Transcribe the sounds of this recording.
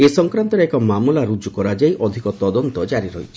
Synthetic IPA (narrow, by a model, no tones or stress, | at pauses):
esɔŋkɾant̪ɔɾeɛkɔmamulaɾud͡ʒukɔɾad͡ʒaiʔɔd̪ʱikɔt̪ɔd̪ɔnt̪ɔd͡ʒaɾiɾɔɦit͡ʃʰi̥